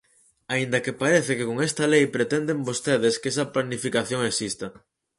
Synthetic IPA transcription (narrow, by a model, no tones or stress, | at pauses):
aind̪ɐkepaɾeθɪkɪkoŋest̪ɐlejpɾet̪ɛnd̪embost̪eðeskes̬ɐplanifikaθjoŋeksist̪ɐ